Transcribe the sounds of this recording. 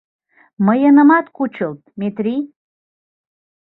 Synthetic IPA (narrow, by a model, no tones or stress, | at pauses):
məjənə̆mɑt̪kut͡ʃəlˠt̪̚mʲet̪rʲi